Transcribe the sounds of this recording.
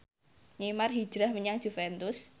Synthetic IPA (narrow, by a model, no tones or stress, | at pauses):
ɲimarɦi̥ʒ̥ɾahməɲaŋ̥ʒ̥ufɛnt̪ʊs